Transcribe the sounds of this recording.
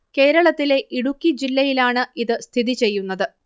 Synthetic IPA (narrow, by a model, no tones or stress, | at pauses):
ke̞ːɾɐɭɐt̪ːile̞ʔiɽukʲːid͡ʑilːɐjilaːɳɨʔiðɨst̪ʰiðit͡ɕe̞jːunːɐðɨ